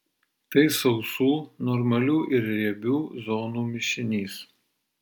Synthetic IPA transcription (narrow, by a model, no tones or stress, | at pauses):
t̪ɐɪsɒʊsuːnɔɾmɐlʲuːʔɪɾɾʲɛbʲuːzɔːnuːmʲɪʃʲɪnʲiːs